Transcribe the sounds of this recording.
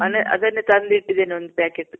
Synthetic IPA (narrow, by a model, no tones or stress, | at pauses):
mɐneʔɐ̰d̪ɐnːet̪ɐnd̪iʈːid̪eːniond̪upæːkeʈ